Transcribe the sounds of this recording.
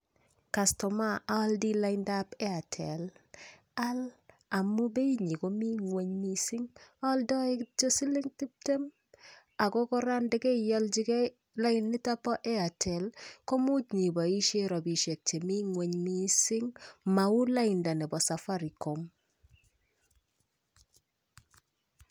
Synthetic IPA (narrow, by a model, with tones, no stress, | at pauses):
ka˨stɔ˨ma˦ʔa˦ldi˦la˦ɪnda˦pɛ˦a˨tʰɛ˨l | a˦l | a˨mu˦be˦i˦ɲi˨ko˦mi˦ŋwe˦ɲmi˦sɪ˦ŋa˦ldɔ˦e˦kt͡ʃo˦si˦lɪ˦ŋti˦p̚te˦m | a˨kɔ˦kɔ˦ɾa˦ndɛ˦kɛ˦jɔ˦ld͡ʒi˦ke˦ | la˦ɪ˦nːi˦ta˦pɔ˦ʔɛ˦a˨tʰɛ˨lko˦mu˦tɲi˨bɔ˨i˦ʃe˦ɾɔ˨bi˨ʃe˨k̚t͡ʃe˨mi˦ŋwe˨ɲmi˦sɪ˦ŋma˨u˦la˦ɪ˨nda˨nɛ˨bɔ˨sa˨fa˦ɾi˨ko˨m